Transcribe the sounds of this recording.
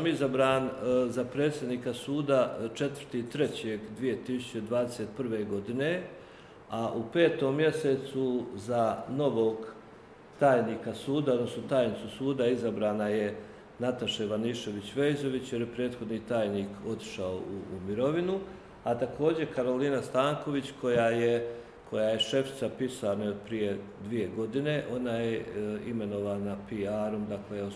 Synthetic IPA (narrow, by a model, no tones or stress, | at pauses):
amizabɾaːnzapɾe̞ːt̪sʲjed̪niːkasuːd̪at͡ʃe̞t̪vər̥t̪iːt̪ɾe̞t͡ɕe̞ɡd̪ʋije̞t̪isu̥t͡ɕe̞d̪ʋaːd̪ese̞t̪pr̩ʋe̞ɡo̞d̪ine | aʔupe̞ːt̪o̞ːmːje̞set̪suzano̞ʋo̞ːɡ | t̪aːjniːkasuːd̪aod̪no̞snot̪aːjnit̪susuːd̪aizabɾaːnaje̞ | nat̪aʃeʋaniʃe̞ʋit͡ɕʋe̞jzo̞ʋit͡ɕjeɾjepɾe̞ːd̪xo̞d̪nit̪aːjniːko̞t̪i̥ʃao̰uːmiɾo̞ʋinu | at̪ako̞ːd͡ʑe̞kaɾo̞liːnast̪aːŋko̞ʋit͡ɕko̞jaje | kʰo̞jaje̞ʃe̞fi̥t̪sapisaːnaod̪̚pɾije̞d̪ʋije̞ɡo̞d̪ine̞ʔo̞najeime̞no̞ʋaːnapiaːɾo̞md̪aklejo